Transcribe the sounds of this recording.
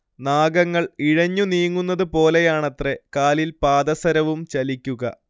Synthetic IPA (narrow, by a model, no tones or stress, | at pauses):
naːɡɐŋːɐɭiɻɐɲːuniːŋːunːɐðɨpo̞ːle̞jaːɳɐt̪re̞kaːlilpaːd̪ɐsɐɾɐʋumt͡ɕɐlikʲːuɣɐ